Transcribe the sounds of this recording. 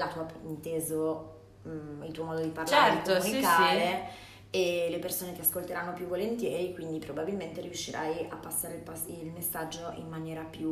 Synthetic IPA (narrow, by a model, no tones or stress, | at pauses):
lat̪uːaint̪eːzo | ilt̪uːomɔːd̪od̪iparlaɾetk̪ːunikaːle | elepersoːnek̟easkolt̪eɾanːopjuvːolent̪jɛːɾikwind̪ipɾobabilment̪eɾiuʃːiɾʔa̰japːasːaːɾelpasilmesːad͡ʒːoʔḭmːanjɛːɾapju